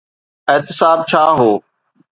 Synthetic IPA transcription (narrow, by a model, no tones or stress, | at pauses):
eɦt̪ɪsaːb̚t͡ɕʰaːɦoː